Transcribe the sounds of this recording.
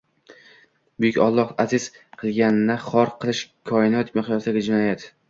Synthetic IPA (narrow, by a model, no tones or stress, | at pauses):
bʊjʊkʲɒlˠːɒhazɪsqʰɨlˠɡʲanɪnaχɒɾqʰɨlˠɪʃkʰɒɪnɒt̪mɪχjɒsd̪aɡʲad͡ʒɪnɒjat̪